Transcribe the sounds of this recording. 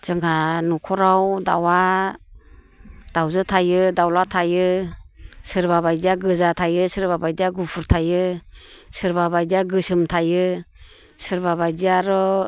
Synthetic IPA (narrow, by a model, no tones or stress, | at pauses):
z̥ɯŋɡanukʰɔɾawdawa | d̥awzɯtʰajɯdawlatʰajɯ | sɯɾbaβajdijaɡɯzatʰajɯsɯɾbabajdijaɡupʰuɾtʰajɯ | sɯɾbabajdijaɡɯsɯmtʰajɯ | sɯɾbaβajdijaɾɔ